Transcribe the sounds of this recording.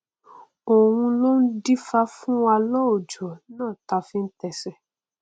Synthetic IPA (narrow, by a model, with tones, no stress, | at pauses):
o˨w̃ũ˧lo˦n̩˦di˦fa˧fũ˦wa˧lɔ˦o˨d͡ʒo˨nãː˦˨ta˧fĩ˦n̩˦tɛ˧sɛ˦